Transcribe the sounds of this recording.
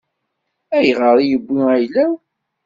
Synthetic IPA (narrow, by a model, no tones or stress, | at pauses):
æjʁəɾˤijəbʷːiæjlæ